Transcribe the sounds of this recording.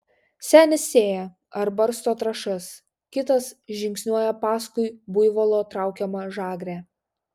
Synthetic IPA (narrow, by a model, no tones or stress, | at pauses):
sʲæːnʲɪsːʲeːjɛ | ɐɾbɐɾst̪oːt̪ɾɐʃɐs | kʲɪt̪ɐsʒʲɪŋksʲnʲuɔjɛpɑːskʊɪbʊɪʋolˠoːt̪ɾɑˑʊkʲɛmɐʒɑːɡɾʲæː